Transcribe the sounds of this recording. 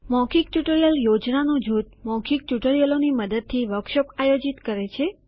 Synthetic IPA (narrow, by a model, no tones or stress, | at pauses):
mɔ̃kʰik̚ʈjuʈəɾijəljod͡ʒnanũd͡ʒut̪̚mɔ̃kʰik̚ʈjuʈəɾijəloniməd̪əd̪̚t̪ʰiʋəɾkʃɔpajod͡ʒit̪kəɾet͡ʃʰe